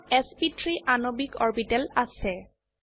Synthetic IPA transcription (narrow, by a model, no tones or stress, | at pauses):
ɛspitɹiʔanobikɔɹbitɛlasɛ